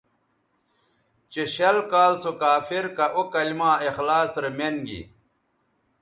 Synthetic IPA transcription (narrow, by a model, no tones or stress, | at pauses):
t͡ɕeɕɐlkaːlt͡sokaːfiɾkɐʔokɐlimãːexlaːsɾemenɡḭ